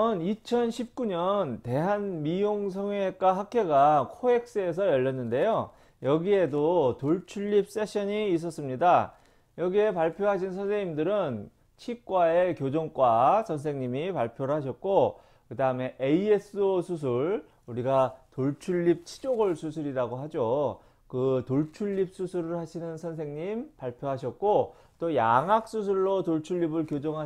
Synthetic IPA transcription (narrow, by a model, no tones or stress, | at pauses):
ʌnit͡ɕʰʌnɕʰip̚k͈uɲʌnte̞ɦanmijoŋs̬ʰʌŋek͈aɦakʰe̞ɡakʰoe̞k̚s͈eːs̬ʰʌjʌʎːʌnːɯnde̞jo | jʌɡie̞dotoɭt͡ɕʰuɭːip̚s͈e̞ɕʰʌɲiːs̬͈ʌs͈ɯmɲida | jʌɡie̞paɭpʰjoɦaɕ̬ʰinsʰʌnsʰeŋɲimdɯɾɯn | t͡ɕʰik͈waekjod͡ʑoŋk͈wat͡ɕʌns̬ʰe̞ŋɲimipaɭpʰjoɾɯɭɦaɕ̬ʰʌt̚k͈o | kɯdaɯme̞ʔeie̞s͈osʰus̬ʰuɭ | uɾiɡatoɭt͡ɕʰuʎːip̚t͡ɕʰi̥d͡ʑoɡɯɭsʰusʰɯɾiɾaɡoɦad͡ʑo | kɯtoɭt͡ɕʰuʎːip̚s͈usʰuɾɯɭhaɕʰinɯnsʰʌnsʰe̞ŋɲimpaɭpʰjoɦaɕ̬ʰʌt̚k͈o | t͈oja̰ŋɦak̚s͈us̬ʰuɭːotoɭt͡ɕʰuʎːibɯɭkjod͡ʑoŋɦa